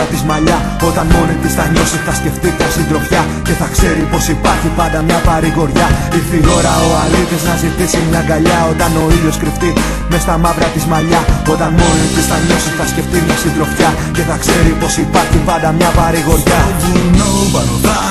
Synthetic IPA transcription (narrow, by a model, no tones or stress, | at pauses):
ɐt̪izmɐʎɐ | o̞t̪ɐnmo̞nit̪ist̪ɐɲo̞siθɐsce̞ft̪it̪ɐsind̪ɾo̞fçɐ | ce̞θɐkse̞ɾipo̞sipɐɾçipɐnd̪ɐmɲɐpɐɾiɣo̞ɾʝɐifio̞ɾɐo̞ɐlit̪iznɐzit̪isimɲɐɡɐʎɐo̞t̪ɐno̞iʎo̞skɾift̪i | me̞st̪ɐmɐvɾɐt̪izmɐʎɐo̞t̪ɐnmo̞nit̪isθɐɲo̞siθɐsce̞ft̪imɲɐsind̪ɾo̞fçɐ | ce̞θɐkse̞ɾipo̞sipɐɾçipɐnd̪ɐmɲɐpɐɾiɣo̞ɾʝɐ